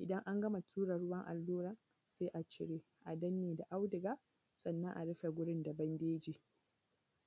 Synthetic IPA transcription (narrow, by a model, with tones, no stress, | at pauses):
ʔɪ˨dɐ˦ŋʔa˦ŋɡɐ˦ma˨tʰuː˦ɾɐ˨ɽʊ˦wɐ˦ŋʔa̰˨lːuː˦ɾa˨ | se˦ʔa˨t͡ʃɪ˨ɾeː˦ | ʔa˨dɐ˦nːeː˨da˨ʔa˦wdɪ˨ɡaː˦ | sɐ˨nːɐ˦ŋʔa̰˨ɽɪ˦ɸe˨ɡʷʊ˦ɽɪ˦nda˨bɐ˦ndeː˦d͡ʒiː˨